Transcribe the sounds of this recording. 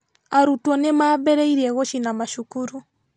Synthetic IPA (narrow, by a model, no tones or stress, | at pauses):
aɾutwɔnɛmaːbɛɾɛiɾiɛɣɔʃinamaʃukuɾu